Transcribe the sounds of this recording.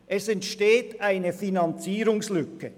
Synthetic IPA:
ʔɛsɛntʃteːtʔaɪnəfinɑnt͡siːɾʊŋslʏkə

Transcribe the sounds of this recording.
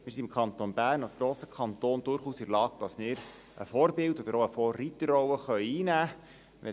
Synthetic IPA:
mɪːsiɪmkʰχɑnt̪onbæːɾnɑlsɡ̥ɾoːsə̥kʰχɑntoːnd̥ʊɾχuːsiɾlɑːk̚d̥ɑsmɪːɾ | ʔə̰fɔːrbɪldɔd̥̪əɾoəfɔːrːitəɾɔwəχœʏiːnæː | ɛ

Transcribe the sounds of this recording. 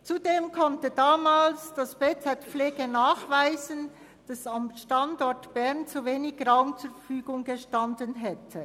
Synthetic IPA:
t͡sudeːmkʰɔntədaːmaːlsd̥asb̥eːt͡sɛtp͡fleːɡənaːχvaɪzən | d̥asamʃtandɔtb̥ɛʁnt͡suveːnɪçraʊmt͡suːffyːɡʊŋɡəʃtandənɦɛtʰə

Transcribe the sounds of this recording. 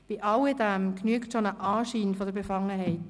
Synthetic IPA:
b̥iʔɑlɪdæmknyəktʃonəʔaːʃiːnfɔdəɾbefɑŋːəɦɛɪt

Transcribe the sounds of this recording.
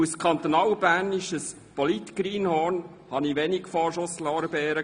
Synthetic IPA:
uskʰɑnt̪onɑːlbæːnɪʃəs | pɔlit̪ɡ̥ɾiːnhɔːn | hɑniʋɛnikfɔːʃoslɔːɾəbɛːɾə

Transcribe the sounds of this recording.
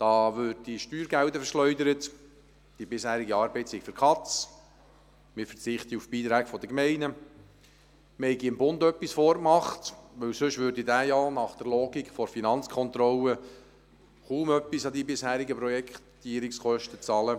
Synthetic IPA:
d̥ɑːʋʏd̚d̥iʃtyːɾɡæwdəfəɾʃlœʏdəɾət | d̥ibɪshæːɾiɡiɑːɾbɛɪtsɪɡ̥fəɾkʰɑt͡s | mɪfət͡sɪχtiufb̥iːt̪ɾæːɡfɔd̪əkmɛɪnə | məhɛɪɡiɪmbʊnd̪œpːisfɔːɾmɑχtʋɵwsɵʃʋʏɾdidæːjɑnɑχd̥̪əɾlɔːɡikχfɔɾfinɑnt͡skʰɔnt̪ɾɔlə | χuːmœpːisɑdibɪshæːɾiɡəpɾɔjɛkt̪iːəɾɪksχœʃtət͡sɑːlə

